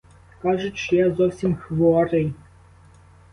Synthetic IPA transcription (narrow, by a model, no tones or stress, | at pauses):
kɑʒʊt͡ʃjazɔwsʲimxʋɔɾɪj